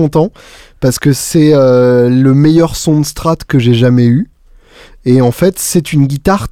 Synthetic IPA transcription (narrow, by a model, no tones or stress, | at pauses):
ɔ̃t̪ɑ̃paʁsə̥kəsɛøləmejœʁsɔ̃d̪əst̪χat̪kəʒeʒamɛy | eɑ̃fɛt̪sɛt̪ynɡʲit̪aʁ